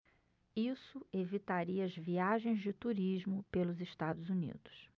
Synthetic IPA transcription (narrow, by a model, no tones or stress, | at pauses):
isʊevit̪aɾiɐɐzviaʒẽj̃zd͡ʒɪt̪uɾiʒmʊpelʊzɪʃt̪ad̪ʊzunḭd̪ʊ̥s